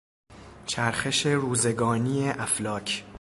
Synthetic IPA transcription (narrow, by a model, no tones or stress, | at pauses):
t͡ʃʰæɾxe̞ʃe̞ɾuːzeɡɒːniːeʔæflɒːcʰ